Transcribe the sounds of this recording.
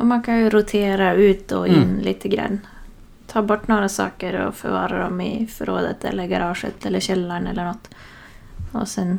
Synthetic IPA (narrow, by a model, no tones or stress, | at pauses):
ʔɔmɑnkʰɑnjʊɾʊt̪ʰeːɾɑʉːt̪ɔɪnːlʔiːt̪ʰəɡɾɑ̰nː | t̪ʰɑːɾbɔʈːnoːɾəsɑ̰ːkəɾɔ̰fœ̰ɾʋɑːɾad̪ɔmɪfɾo̰ːd̪ə̰t̪ʰɛ̰lːəɾɡɑɾɑːʂə̰t̪ɛlːəɕɛlːaɳɛlːəɳɔt̪ː | ɔ̰sɛn